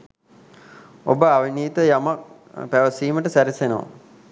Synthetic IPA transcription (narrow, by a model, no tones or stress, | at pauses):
o̰bəaʋiniːt̪əjamak̚ | pæʋəsiːməʈəsæɾisenoʋa̰